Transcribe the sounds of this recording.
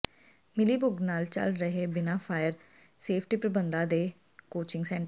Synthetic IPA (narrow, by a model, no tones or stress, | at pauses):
mɪliːbʊɡnaːlt͡ʃə̰lɾəɦeːbɪnaːfʰaːjəɾ | seːpʰʈiːpɾəbənd̪ãːd̪eː | koːt͡ʃɪ̃ŋɡsɛ̃ːɳʈ